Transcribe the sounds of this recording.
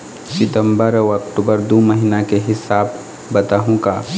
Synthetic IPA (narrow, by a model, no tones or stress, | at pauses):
sɪt̪ə̃mbəɾɔɐkʈuːbəɾd̪oːməɦinakeɦɪsaːb | bɐt̪aːɦũkaː